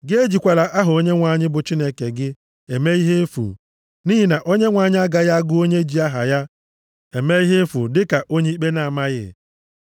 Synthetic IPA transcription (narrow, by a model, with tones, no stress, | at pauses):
ɡɪ˦e˦d͡ʒi˨kʷa˨la˨ʔa˦ɦʊ˨o˦ɲe˦ŋʷa˨ɲɪ˦bʊ˨t͡ʃi˦ne˦ke˨ɡɪ˦ | e˨me˦i˦ɦe˦fṵ˨ | ni˦ɦi˨na˨ʔo˦ɲe˦ŋʷa˨ɲɪ˦a˦ɡa˨ja˦ɡʊ˦o˦ɲe˦d͡ʒi˨a˦ɦa̰˨ja˦ | e˨me˦i˦ɦe˦fṵ˨dɪ˦ka˨ʔo˦ɲe˦i˦k͡pe˦na˨a˨ma˦ɣɪ̰˨